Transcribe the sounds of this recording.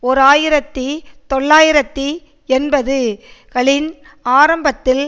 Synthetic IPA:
ɔɾaːjɪɾɐt̪ːɯt̪ɔɭːaːjɪɾɐt̪ːɯ | ɛnbɐðɯkɐɭɪn | aːɾɐmbɐt̪ːɪl

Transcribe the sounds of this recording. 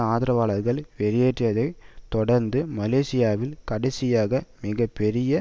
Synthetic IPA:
aːðɪɾɐʋaːɭɐɾɣɐɭʋɛɾɪjeːʈːjɐðɐɪt̪ɔɽɐɾnd̪ɯmɐleːsɪjaːʋɪlkɐɽɐɪsɪjaːɣɐmɪɣɐpːɛɾɪjɐ

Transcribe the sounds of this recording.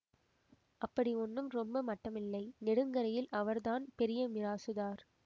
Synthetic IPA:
ʔɐpːɐɽiɔnːɯmɾɔmbɐmɐʈːɐmɪlːɐɪnɛɽɯŋɡɐɾɐjɪlʔɐʋɐɾðaːnpɛɾɪjɐmɪɾaːsɯðaːɾ

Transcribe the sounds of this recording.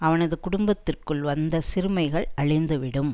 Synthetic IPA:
ɐʋɐnɐðɯkʊɽʊmbɐt̪ːɪrkɯɭʋɐnd̪ɐsɪɾɯmɐɪɣɐɭɐɭɪnd̪ɯʋɪɽɯm

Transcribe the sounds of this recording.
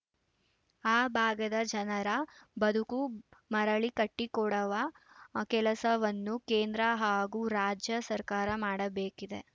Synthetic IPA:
aːbʱaːɡɐd̪ɐd͡ʒɐnɐɾɐbɐd̪ʱukumɐɾɐɭikɐʈːikɔɽɐʋɐ | kɛlɐsɐʋɐnːukeːnd̪ɾɐɦaːɡuːɾaːd͡ʒjɐsɐɾkaːɾɐmaːɽɐbeːkid̪e̞

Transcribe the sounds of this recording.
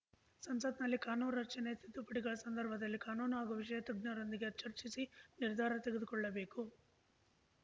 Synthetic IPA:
sɐmsɐt̪nɐlːikaːnuːnɾɐkt͡ʃɐnet̪ʰit̪ːupɐʈiɡɐɭɐsɐnd̪ɐɾbʱɐd̪ɐlːikaːnuːnuaːɡuʋiʂɐjɐt̪ɐɡnɐɾond̪iɡiɐt͡ʃːɐɾt͡ʃisiniɾd̪ʱaːɾɐnt̪eɡd̪ukɔɭːɐbeːku

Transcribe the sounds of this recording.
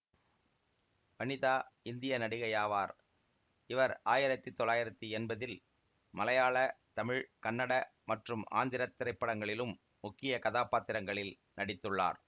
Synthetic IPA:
ʋɐnɪðaːɪnd̪ɪjɐnɐɽɪɣɐjaːʋaːɾ | ɪʋɐɾaːjɪɾɐt̪ːit̪ːɔlːaːjɪɾɐt̪ːiɛnbɐðɪl | mɐlɐjaːɭɐt̪ɐmɪɻkɐnːɐɽɐmɐʈrɯma̰ːnd̪ɪɾɐt̪ːɪɾɐɪpːɐɽɐŋɡɐɭɪlɯmː | ʊkːɪjɐkɐðaːpaːt̪ːɪɾɐŋɡɐɭɪl | nɐɽɪt̪ːɯɭːa̰ːɾ

